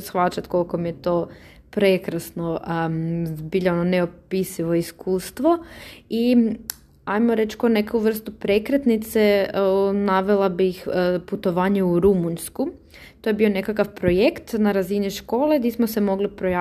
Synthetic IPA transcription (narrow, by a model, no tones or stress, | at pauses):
sxʋat͡ʃat̪ko̞lkomijet̪oː | pɾekɾasno | biʎaononeopisiʋo̞iskuːst̪ʋoi | ajmoɾe̞t͡ʃko̞nekuʋr̩st̪upɾe̞kɾet̪nit̪se | naʋelˠabixput̪o̞ʋaːɲeuɾumuɲsku | t̪o̞jebio̞ne̞kakafpɾo̞jekt̪naɾaziniʃko̞ːlˠed̪ismosemo̞ɡlipɾoja